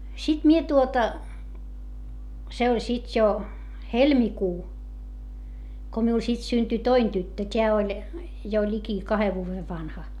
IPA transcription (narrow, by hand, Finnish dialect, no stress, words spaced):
sit mie tuotɑ se olʲ sit jo helmikuː ko miul sit synty toin tytːø tʲeæ olʲ jo lʲiki kɑhe ʋuːʋe ʋɑnhɑ